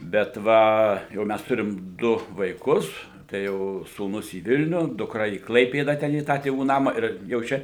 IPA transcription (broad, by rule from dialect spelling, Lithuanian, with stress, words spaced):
bʲɛt ˈʋɐ jɛʊ ˈmʲæs ˈtʊrʲɪm ˈdʊ ʋɐɪˈkʊs tɐɪ ˈjɛʊ suːˈnʊs iː ˈʋʲɪlʲnʲʊ dʊkˈrɐ iː ˈklˠɐɪpʲeːdɐ ˈtʲɛn iː ˈtɑː tʲeːˈʋuː ˈnɑːmɐ ɪr jɛʊ ˈt͡ʃʲɛ